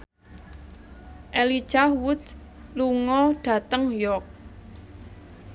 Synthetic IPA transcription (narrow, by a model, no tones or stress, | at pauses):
ʔeli̥ʒ̥ahwʊd̪ | luŋɔɖ̥ä̤t̪əŋjɔk̚